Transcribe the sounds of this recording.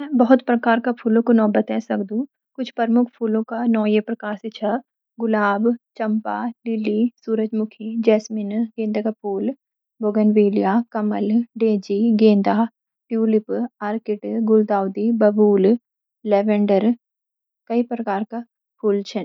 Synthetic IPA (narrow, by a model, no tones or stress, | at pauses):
mɛ̃bɐɦʊt̪pɾɐkaːɾkapʰuːlõkonɔːbət̪ɦɛsɐkd̪ũ | kʊt͡ʃʰpɐɾmʊkʰpʰuːlõkanɔːjepɾɐkaːɾsɪt͡ʃʰɐ | ɡʊlaːbt͡ʃɐ̃mpa̰lɪlisuːɾəd͡ʒmʊkʰid͡ʒɛːsmɪnɡẽːnd̪ʱakapʰuːl | boɡənʋeːlijakɐmə̰lɖeːd͡ʒiɡẽːnd̪a | ʈjuːlɪpaːɾkɪʈɡʊld̪aːwd̪ibɐbuːl | lɛːʋɛ̃ɳɖəɾ | kɐipɾɐkaːɾka | pʰuːlt͡ʃʰɐn